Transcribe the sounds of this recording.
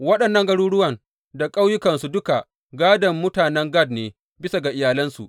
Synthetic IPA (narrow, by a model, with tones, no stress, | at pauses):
wɐ˦ɗɐ˨nːɐ˦ŋɡɐ˦ɽuː˦ɽʊ˦wɐ˨ŋ | da˨kʼa˦wjʊ˦kɐ˨nsu˨dʊ˦ka˨ | ɡaː˦dɐ˨mːʊ˦taː˨nɛ˦ŋɡɐ˦˨dneː˨ | bɪ˦sa˨ɡa˨ʔɪ˨jaː˨lɐ˦nsṵ˨ʔ